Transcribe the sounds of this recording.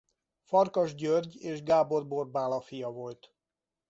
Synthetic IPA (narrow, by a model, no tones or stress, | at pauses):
fɒrkɒʒɟørɟeːʒɡaːbo̞rborbaːlɒfijɒvo̞lt̪